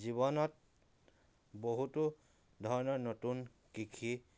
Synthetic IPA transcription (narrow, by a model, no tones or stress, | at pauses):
ziβɔnɔt | boɦutu | d̪ʱɔɹɔnɔɹnotun | kikʰi